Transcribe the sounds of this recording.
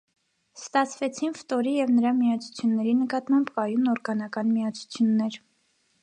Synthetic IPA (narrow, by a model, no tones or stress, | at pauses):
st̪ɑt͡sʰvɛt͡sʰinft̪ɔɾijɛvnəɾɑmiɑt͡sʰu̥t͡sʰjunːɛɾinəkɑt̪mɑmbkɑjunɔɾɡɑnɑkɑnmiɑt͡sʰu̥t͡sʰjunːɛɾ